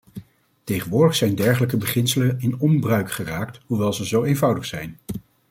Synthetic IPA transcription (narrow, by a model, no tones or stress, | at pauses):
tejχənʋʊːɹdəχsɛjndɛɹχələkəbəχɪnsələnɪnɔmbrœɥkχəraːktɦuʋɛlˠzəzowejnvʌwdəχsɛjn